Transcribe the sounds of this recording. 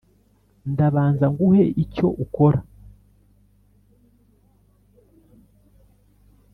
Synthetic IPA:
ndaβaːnzaŋɡuhe̞ʔico̞ʔuko̞ɾa

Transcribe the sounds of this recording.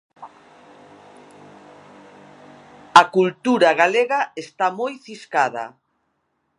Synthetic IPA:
ɐkult̪uɾaɣaleɣaest̪amojθiskað̞ɐ̰

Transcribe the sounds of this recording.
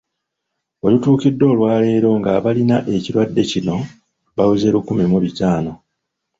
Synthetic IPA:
o̞lutuːkidːo̞ːlwaːle̞ːɾo̞ŋɡaβalinaʔe̞ciɾwadːe̞cino̞ | βawuze̞ːɾukumimuβitaːno̞

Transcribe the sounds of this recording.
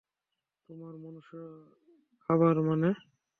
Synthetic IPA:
t̪omaɾmonuʃ | kʰaβaɾmane

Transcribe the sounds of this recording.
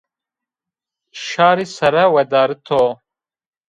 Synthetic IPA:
ʃaːɾisɐɾɐwɐd̪aːɾit̪ʰo

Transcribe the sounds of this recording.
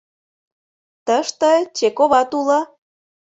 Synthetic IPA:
t̪əʃt̪ət͡ɕekoβɑt̪ulɤ̆

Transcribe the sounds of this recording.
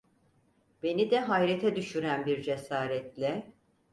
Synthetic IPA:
b̥e̞nid̪ɛɦajɾet̪ʰɛd̪yʃyɾænbiɾd͡ʒesaːɾɛt̪lʲɛ

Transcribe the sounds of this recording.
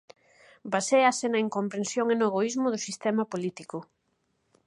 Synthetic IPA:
baseasɪnɐiŋkompɾẽnsjoŋenʊeɣoizmʊðʊsist̪ɛmapolit̪ikʊ

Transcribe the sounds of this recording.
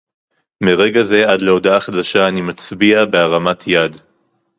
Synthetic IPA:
meʁe̞ɡaze̞adle̞o̞daχadaʃaːnimat͡sbiabe̞aʁamatʰjad

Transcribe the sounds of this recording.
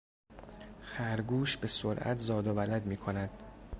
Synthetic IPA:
xæɾɡuːʃbe̞soɾʔæ̰t̪ʰzɒːd̪ovælæd̪miːkʰo̞næd̪̥

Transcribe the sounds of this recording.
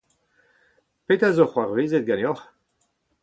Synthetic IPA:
pet̪azoχwaʁveːzet̪̚ɡaneɔχ

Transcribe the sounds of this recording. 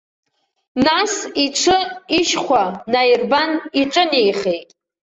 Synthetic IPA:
nasiʈ͡ʂʰɨiʃχʷanajirbaniʈ͡ʂʼɨnejχejtʼ

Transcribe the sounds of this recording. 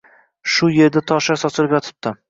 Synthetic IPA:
ʃʊje̞ɾd̪at̪ʰɒʃasɒt͡ʃ̪ʰɪlɪpjɒt̪ʰɪ̥p̚t̪ɪ

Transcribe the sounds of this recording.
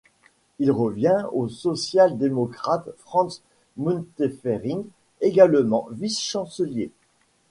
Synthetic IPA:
ilʁəvjɛ̃osɔsjald̪emɔkχat̪fχɑ̃s | munt̪efeʁĩŋ | eɡalmɑ̰̃visʃɑ̃səlje

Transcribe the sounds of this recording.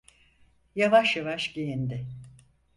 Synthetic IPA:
javaʃjavaʃɟejind̪ɪ

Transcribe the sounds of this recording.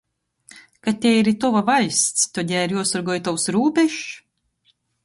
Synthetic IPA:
kat̪ʲɛiɾit̪ɔvavajst̪st̪ɔd̪ʲæːɾjuɔsɔɾɡɔjt̪awsɾuːbʲɛʃ

